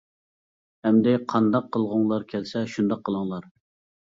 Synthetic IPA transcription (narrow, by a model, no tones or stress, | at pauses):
hɛmd̪ɪqʰɑnd̪ɑqʰːəlˠʁʊŋlˠɑɾkʲʰɛlsɛʃund̪ɑqʰːəlˠɨŋlˠɑɾ